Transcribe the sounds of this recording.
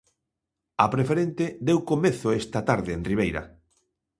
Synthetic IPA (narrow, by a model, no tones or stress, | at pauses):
apɾefeɾent̪ed̪ewkomeθʊest̪at̪aɾðeenriβ̞ejɾɐ̰